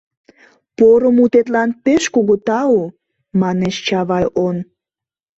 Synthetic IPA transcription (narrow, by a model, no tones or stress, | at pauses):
poɾəmut̪et̪lɑnpeʃkuɣut̪ɑu | mɑneʃt͡ɕɑβɑjʔon